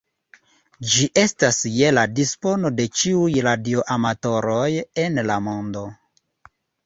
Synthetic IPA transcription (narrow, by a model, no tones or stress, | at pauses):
d͡ʒiʔe̞stasje̞ladispo̞no̞de̞t͡ʃiujɾadio̞ʔamato̞ɾo̞jenlamo̞ndo̞